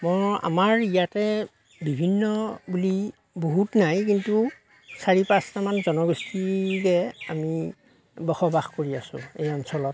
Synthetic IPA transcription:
mɔja̰maɹijatɛ | bibʱinːɔbuli | boɦutnajkintu | saɹipastamanzɔnɔɡɔstʰikɛami | bɔxɔbaxkoɹiasʊ̰̃ejɔnsɔlɔt

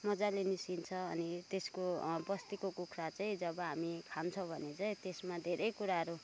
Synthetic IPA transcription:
mʌd͡zalenisint͡sʰʌːnit̪eskobʌst̪ikokukʰɾat͡saĩd͡zʌbʌɦamikʰant͡sʰʌ̃bʱʌnet͡saĩt̪esmad̪ʱeɾʌjkuɾaɦʌɾu

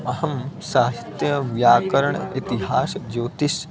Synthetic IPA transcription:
ɐhɐmsaːst̪jɐʋjaːkɐɾəɳit̪iɦaːsd͡ʒoːt̪is

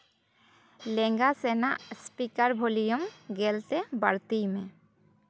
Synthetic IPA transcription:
leŋɡasenaspikaɾbʱolijomɡɛlt̪ebaɾt̪ijme

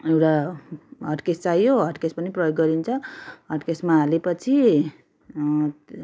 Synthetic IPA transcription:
ewʈaɦʌʈkest͡sajoɦʌʈkespʌniprʌjoɡːʌɾint͡sʰʌɦʌʈkesmaɦalepʌt͡sʰi

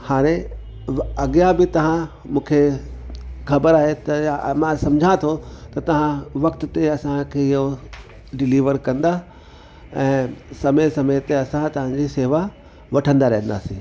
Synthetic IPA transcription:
haːɾ̃ẽ | ɐɡijabɪt̪ɐʋ̤ã | mũːkʰe | xɐbəɾaːɦet̪ɐmãsɐ̃md͡ʑʱãt̪ʰot̪ɐt̪ɐʋ̤ãʋɐk̚t̪ʊ̆t̪eɐsãkʰeːɪɦo | ɖɪliːʋəɾkɐ̃nd̪a | ɛ̃ːsɐmesɐmet̪eɐsãt̪ɐʋ̤ãɲd͡ʑiseːʋa | ʋɐʈʰə̃nd̪aɾɐɦə̃nd̪a̰ːsĩː

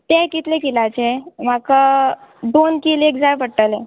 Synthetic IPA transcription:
t̪ẽkit̪lekilat͡ɕem̤akəɖonkilekd͡zaɾpəɽʈəlẽ

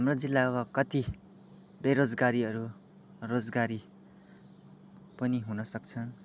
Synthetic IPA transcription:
ɦamrod͡zilːakokʌt̪i | beɾod͡zɡaɾiʌɾu | rod͡zɡaɾi | pʌniɦunʌsʌk̚t͡sʰʌn

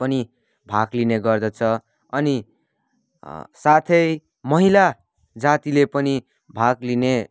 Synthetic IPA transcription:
pʌni | bʱaɡlineɡʌrd̪ʌt͡sʰʌ | ʌni | sat̪ʰʌj | mʌɦila | d͡zat̪ilepʌni | bʱaɡline

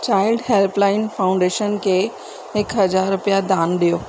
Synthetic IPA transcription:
t͡ɕaːɪlɖɦelplaːɪnfaːʊ̃ɳɖeːʃənkʰeː | ɪkɦɐzaːɾːʊpjad̪aːnɗijoː

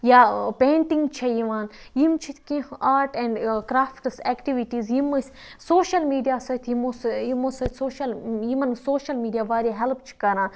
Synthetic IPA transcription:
jaːpẽːɳʈĩŋɡt͡ʃʰɐjiʋaːnjimt͡ʃʰit̪ʰkĩʔaːɾʈɛ̃ɳɖkɾaːfʈseːkʈiʋiʈiːzjimɐsʲ | soːʃɐlmiːɖijaːsɐt̪ʰjimosjimosɐt̪soːʃɐljimɐnsoːʃɐlmiːɖijaːʋaːɾʲaɦɛlp̚t͡ʃʰi̥kɐɾãːn

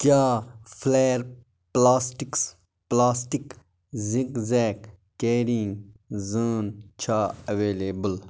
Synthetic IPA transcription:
kjaːfʰleːɾ | plaːsʈiks | plaːsʈik | zĩkzɛːkː | eːɾiŋɡzəːnt͡ʃʰaːɐʋeːleːbəl

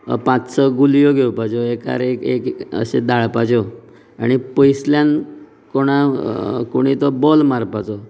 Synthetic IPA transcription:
pãt͡ssɔɡuljɔɡʱewpad͡ʑɔeka̰ɾekḛkə̰sḛd̪aɭpad͡ʑɔ | aɽ̃ipəjsljan | koɽ̃akoɽ̃it̪ɔbɔlmaɾpat͡sɔ

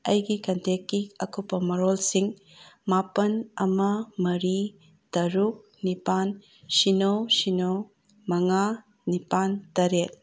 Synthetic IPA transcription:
ɐjɡikɐntʰekːiɐkupːɐmɐɾolsiŋ | mapɐnɐmɐmɐɾi | tɐɾuk̚ | nipan | sinowsinow | mɐŋa | nipantɐɾet̚

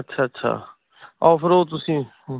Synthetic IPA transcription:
ətːʃʰaːɐtːʃʰa̰ː | ɔːfəɾoːt̪̬ʊsĩː

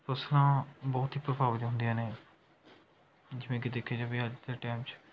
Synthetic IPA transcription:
pəslãːbɔːt̪ɦiːpɾəpaːʋəd͡ʒ̪ɦʊ̃nd̪ijãːneː | d͡ʒɪʋẽːkɪd̪eːkʰːeːd͡ʒãːbiːəd͡ʒd̪eːʈɛːmt͡ʃ

